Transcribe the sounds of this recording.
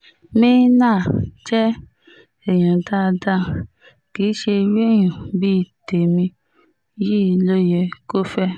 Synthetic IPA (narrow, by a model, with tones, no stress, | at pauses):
mĩ˦nã˦˨d͡ʒɛ˦ | ɛ˨j̃ã˨ta˦˧da˦ | ki˨˦ʃe˧ɾi˦ɛ˦˨j̃ũ˨bi˦˨te˨mĩ˧ | ji˦˧lo˦jɛ˧ko˦fɛ˦